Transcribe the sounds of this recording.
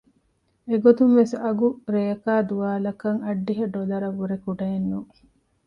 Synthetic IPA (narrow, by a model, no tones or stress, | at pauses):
eɡot̪umʋesɐɡuɾeːɐkaːd̪uʋaːlɐkɐŋɐɖːiɦɐɖolɐɾɐʋuɾekuɖɐenːu